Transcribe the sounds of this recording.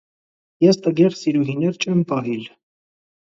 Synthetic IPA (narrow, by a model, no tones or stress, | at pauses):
jɛst̪əɡɛɾsiɾuɦinɛɾt͡ʃʰɛmpɑɦil